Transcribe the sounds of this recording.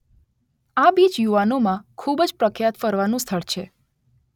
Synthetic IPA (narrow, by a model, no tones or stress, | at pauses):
abid͡ʒjuʋanomãkʰubd͡ʒpɾəkʰjat̪fəɾʋanũst̪ʰəɭt͡ʃʰe